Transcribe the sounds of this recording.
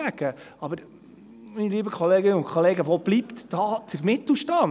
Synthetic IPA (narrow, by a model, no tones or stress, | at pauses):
æɡ̥ə | ɑbəɾ | miniliːbəkʰɔleːɡɪnəʊnkʰɔleːɡəʋob̥lipt̪d̥ɑːt͡sɪmɪt̪l̩ʃtɑː